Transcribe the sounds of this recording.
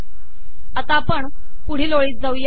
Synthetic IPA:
ət̪apəɳ | puɽ̤iːloɭiːt̪̚d͡zəwj

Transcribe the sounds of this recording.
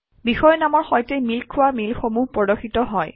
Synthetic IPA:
bixɔjnamɔɹxɔjtejmilkʰʊwamilxomupɔdoxitɔɦɔj

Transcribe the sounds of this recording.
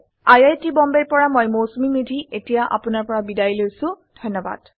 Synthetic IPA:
ajajtibɔmbeɹpɔɹamojmowsmimidʱiʔetijaʔa̰pʊnaɹpɔɹabidajlojsʊ̃d̥ʱɔjnːɔba̰d̥

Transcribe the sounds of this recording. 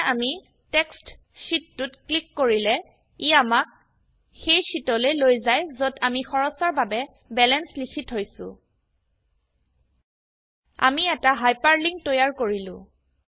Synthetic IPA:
ami | tɛkst | sitːutklikːoɹilɛ | iamak̚ | xejsitɔlelojzajzodamixɔɹɔsɔɹbabɛ | bɛlɛnslikʰitɦojsʊ̰̃ | a̰miɛtaɦajpaɹliŋ̚tojaɹkoɹilʊ̰̃

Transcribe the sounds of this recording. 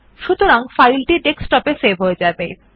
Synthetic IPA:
ʃut̪oɾaŋfajlʈiʈeksʈɔpesebʱɦoed͡ʑabej

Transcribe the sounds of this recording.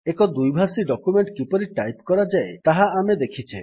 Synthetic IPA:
ekɔd̪ujbʱasiɖɔkumeɳʈkipɔɾiʈajpkɔɾad͡ʒaet̪aɦaamed̪ekʰit͡ʃʰe

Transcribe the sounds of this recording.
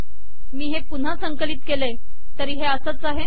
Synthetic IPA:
miːɦepun̤asəŋkəliːt̪̚kele | t̪əɾiːɦeəsət͡saɦe

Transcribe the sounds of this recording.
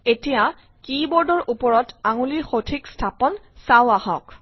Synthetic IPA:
etija | kibɔɹdɔɹʔupɔɹɔtaŋulixotʰikstʰapɔn | sawahɔk

